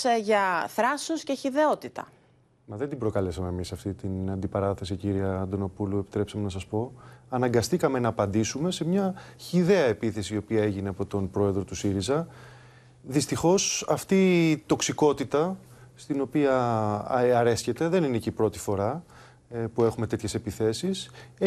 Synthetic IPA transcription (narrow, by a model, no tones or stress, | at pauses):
ʝɐθɾɐsosceçiðe̞ot̪it̪ɐ̰ | mɐðe̞nd̪imbɾo̞kɐle̞sɐme̞ːmisɐft̪it̪inɐnd̪ipɐɾɐθe̞siciɾiɐnd̪o̞no̞puluepit̪ɾe̞psɐme̞nɐsɐspo̞ɐnɐŋɡɐst̪ikɐme̞nɐːpɐnd̪isume̞se̞mɲɐçiðe̞ɐe̞piθe̞siːo̞piɐe̞ʝine̞ɐpo̞t̪o̞npɾo̞e̞ðɾo̞t̪usiɾizɐ | ðist̪ixo̞sɐft̪it̪o̞ksiko̞t̪it̪ɐst̪ino̞piɐ | ɐɾe̞sçe̞t̪e̞ðe̞ninecipɾo̞t̪i̥fo̞ɾɐ | pue̞xume̞t̪e̞t̪çe̞se̞piθe̞sis